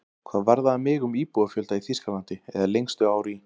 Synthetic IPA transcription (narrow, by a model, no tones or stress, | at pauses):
kʰvaːðvaɾðaamɪːɣʏmiːpuafjœlt̪aiθiskalant̪ɪɛ̰ðalejŋst̪ʏaːwɾi